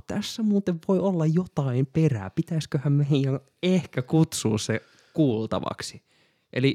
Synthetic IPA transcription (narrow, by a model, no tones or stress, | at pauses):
t̪æsːæmuːt̪eʋʋoiolːɑjjot̪ɑimperæ̰ːpit̪æiskøhæmmeijɑn | ehkækut̪suːsse | kuːlt̪ɑ̰ʋɑ̰ksi | ʔḛli